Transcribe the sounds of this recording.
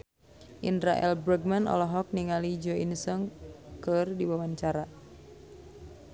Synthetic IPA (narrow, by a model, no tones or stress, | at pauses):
ʔindɾaʔɛ̰lbɾəɡ̚manɔ̰lɔɦɔk̚niŋalid͡ʒɔinsəŋkərdiwawanɲt͡ʃaɾa